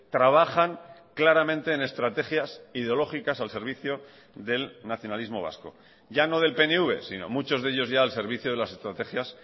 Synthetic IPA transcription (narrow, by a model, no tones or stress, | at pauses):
t̪ɾaβ̞axaŋklaɾamẽ̞nt̪e̞ːne̞st̪ɾat̪e̞xjasið̞eo̞lo̞xikasalse̞ɾβ̞iθjo̞ | ðe̞lnaθjo̞nalizmo̞̰β̞a̰sko̞̰ | ʝano̞ð̞e̞lpe̞neuβ̞e̞̰sino̞̰mut͡ʃo̞zð̞eʎo̞zʝaːlse̞ɾβ̞iθjoðelase̞st̪ɾat̪e̞xjas